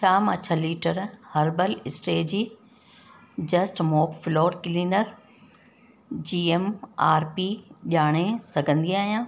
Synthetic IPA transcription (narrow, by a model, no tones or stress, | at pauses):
t͡ɕʰaːmãt͡ɕʰəliːʈəɾhɐɾbəlɪsʈeːd͡ʑiː | d͡ʑɐsʈmoːkfloːɖkɪliːnəɾ | d͡ʑiːemaːɾpiʄaːɽ̃esɐɡʱə̃nd̪iaːɦijãː